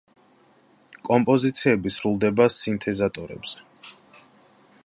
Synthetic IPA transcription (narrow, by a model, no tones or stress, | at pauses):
kʼɔmpʼɔzit̪sʰiɛbisɾulˠd̪ɛbasint̪ʰɛzat̪ʼɔɾɛ̰bz̥ɛ